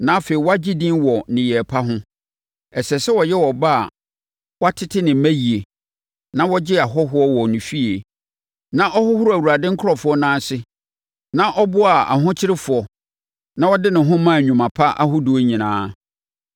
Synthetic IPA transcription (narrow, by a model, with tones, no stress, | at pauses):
nã˦fe˨i˨wɔ˦a˦d͡ʑi˦dĩ˦nwɔ˨nɪ̃˨jɛ˨pʰa˦ɦʊ̃˦ | ɛ˨sɛ˨sɛ˦wɔ˨jɛ˦wɔ˨ba˦a̰˨ | wa˦tʰɪ˦tʰɪ˦nɪ̃˨˦mæ̃˦ji˨e˨ | nã˦wɔ˦d͡ʑɪ˦a˨ɦɔ˦ɦʊ˦ɔ˦wɔ˨nʊ̃˨fi˦e˨ | nã˦ʔɔ˦hʊ˦hʊ˦ɾʊ˦˨æ˨wu˨ɾa˨dɪ̃˦ŋ̩˦kʰʊ˦ɾɔ˨fʊ˨˦ɔ˦nãː˦sɪ˦ | nã˦ʔɔ˦bʊ˦a˨a̰˨ɦʊ̃˦t͡ɕʰɪ˦ɾɪ˦fʊ˨ɔ˨ | nã˦wɔ˦dɪ˦nɪ̃˨ɦʊ̃˦mã˦˨ɲᶣũ˨mã˨pʰa˦ʔa̰˦hʊ˦du˨o˦ɲĩ˨nã̰ː˦